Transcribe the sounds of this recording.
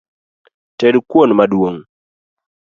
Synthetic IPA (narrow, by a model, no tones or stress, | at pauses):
tedkwonmadwoŋ